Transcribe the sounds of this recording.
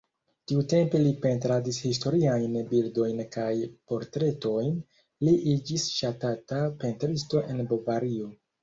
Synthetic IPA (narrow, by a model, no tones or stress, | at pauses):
tiute̞mpe̞lipe̞ntɾadishisto̞ɾiajnbildo̞jnkajpo̞ɾtɾe̞to̞jn | liʔid͡ʒisʃatatape̞ntɾisto̞ʔe̞nbovaɾio̞